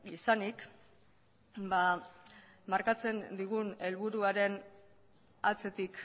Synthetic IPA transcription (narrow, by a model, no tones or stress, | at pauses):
isanik | ba | maɾkat͡se̞nd̪iɣ̞une̞lβuɾuaɾe̞n | at͡se̞t̪ik